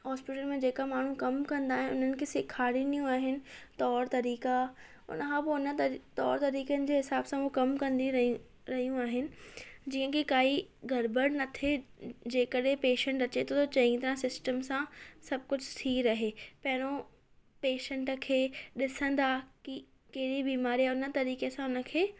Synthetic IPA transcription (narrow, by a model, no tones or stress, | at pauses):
ɦɔːspɪʈəlmẽd͡ʑeːkamaːɳ̤ũkɐmkɐ̃nd̪aːɦɪnɪʊn̤ənɪ̆kʰeːsɪkʰaːɾinijũaːɦɪnɪ̆t̪ɔːɾt̪ɐɾiːka | ʊ̰nəkʰãpoʊnə̆t̪ɔːɾt̪ɐɾiːkənɪ̆d͡ʑeːɦɪsaːbsãokɐmkɐ̃nd̪i | ɾɐɦijũaːɦɪnɪ̆d͡ʑiːə̃kikaːiɡʱɐɾbəɽnɐt̪ʰed͡ʑeːkəɗɦẽpeːʃə̃ɳʈɐt͡ɕet̪ʰot̪ʰot͡ɕɐ̃ĩt̪ɐɾãsɪsʈəmsãsɐb̚kʊd͡ʑʱʊt̪ʰiɾɐɦeːpɐɦɪɾ̃o | peːʃə̃ɳʈkʰeːɗɪsə̃n̆d̪aki | kɐɦɪɾibiːmaːɾijaʊnə̆t̪ɐɾiːkesãʊnə̆kʰeː